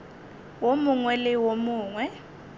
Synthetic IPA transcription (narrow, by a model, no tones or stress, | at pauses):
womuŋwɛlɛwomuːŋwɛ